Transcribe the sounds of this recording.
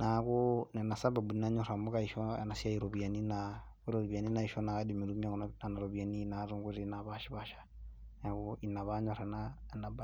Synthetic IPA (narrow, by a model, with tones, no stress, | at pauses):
na˨kɔna˨na˨sa˦ba˨bu˨i˦na˦ɲɔ˨ɾa˨mu˦ka˦iʃɔ˦ɛ̰˨na˨si˦a˦i˨ɾɔ˨βi˨a˨ni˦na˦ | ɾɔ˨βi˨a˨ni˦na˦iʃɔ˦na˨a˦di˨mi˨ɾu˦m˦a˦˨kɔnna˨na˨ɾɔ˨βi˨a˨ni˦naɾu˦ŋɡu˦ɾi˦na˨βa˦ʃi˦βaʃḁ | na˨kɔi˨na˨βa˦ɲɔ˨ɾa˨nanaba